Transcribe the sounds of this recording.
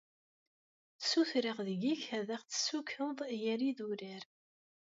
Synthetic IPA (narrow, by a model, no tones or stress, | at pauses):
θsuθɾəʁðəʝiçæðæχt͡sːə̥sukəðˤjəɾiðuɾəɾ